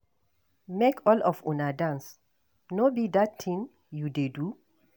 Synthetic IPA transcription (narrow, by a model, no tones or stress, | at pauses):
mekʰɔlɔfunadãns | nobidattʰĩŋ | judedu